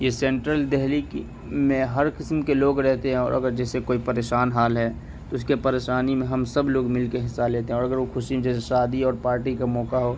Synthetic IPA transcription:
jesɛ̃ːɳʈɾəld̪ɛɦlik | mẽɦɐɾkɪsmkeloːɡɾɛɦt̪eɦɛ̃ɔ̰ːɾʔɐ̰ɡəɾd͡ʒɛːsekoːipɐɾeːʃaːnɦaːlɦɛː | t̪oʊskepɐɾeːʃaːnimẽɦɐmsɐbloːɡmɪlkeɦɪsːaleːt̪eɦɛ̃ɔːɾɐɡəɾʋoxʰʊʃĩd͡ʒɛːseʃaːd̪iɔːɾpaːɾʈikamɔːkaɦoː

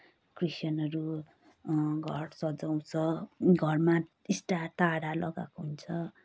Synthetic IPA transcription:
krisjʌnʌɾu | ɡʱʌɾsʌd͡zaw̃t͡sʰʌɡʱʌrma | isʈat̪aɽalʌɡa̰koɦunt͡sʰʌ

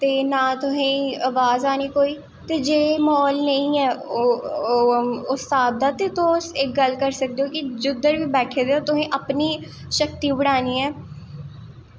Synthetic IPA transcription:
t̪eːnãːt̪ʊsĩːəʋaːzaːniːkoːiː | t̪eːd͡ʒeːmɔːlnəĩːɛːoː | ʊstaːb̚d̪aːt̪eːt̪osɪk̚ɡəlkəɾsək̚d̪eoːkɪd͡ʒʊd̪əɾʋiːbɛːʈʰeːd̪eːoːt̪ʊsẽːʔəpniː | ʃək̚t̪iːbəɽaːniːɛː

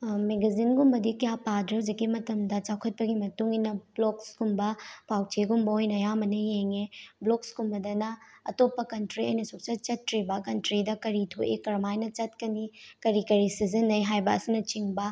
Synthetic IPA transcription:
meɡɐzinɡumbɐdikɐjapadɾɐud͡ʒɐɡimɐtɐmdɐt͡ʃawkʰɐt̚pɐɡimɐtuŋinɐbloksɡumbɐpʰawt͡ʃeɡumbɐojnɐjamɐnɐjeŋebloksɡumbɐdɐnɐɐtopːɐkɐntɾiɐ̰jnɐsuk̚t͡ʃɐt͡ʃɐt̚kɾibɐkɐntɾidɐkɐɾitʰoʔekɐɾmajnɐt͡ʃɐt̚kɐnikɐɾikɐɾisizɐnːɐjɦajbɐːsinɐt͡ʃiŋbɐ

